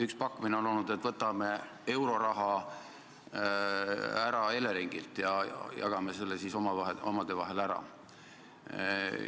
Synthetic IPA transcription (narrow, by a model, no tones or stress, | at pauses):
ykspɑkːumineo̞no̞lnud̪e̞t̪ːˑvɤt̪ːˑɑme̞ | e̞wɾo̞ɾɑɦɑ | æɾɑe̞leɾiŋɡ̥ilt̪jɑjɑ̰jɑ̰ɡ̥ɑmese̞lːesiso̞mɑɑeomɑd̪̥e̞vɑɦe̞læɾɑ̰